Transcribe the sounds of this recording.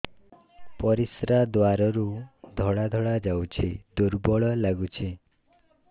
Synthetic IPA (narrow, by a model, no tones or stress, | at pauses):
pɔɾisɾad̪waɾɔɾud̪ʱɔɭad̪ʱɔɭad͡ʒawt͡ʃʰid̪uɾbɔɭɔlaɡut͡ʃʰi